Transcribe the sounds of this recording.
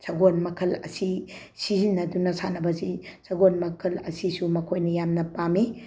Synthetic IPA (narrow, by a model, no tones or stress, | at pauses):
sɐɡonmɐkʰɐlɐ̰si | sizinːɐdunɐsanɐbɐsisɐɡonmɐkʰɐlɐ̰sisumɐkʰojnɐjamnɐpami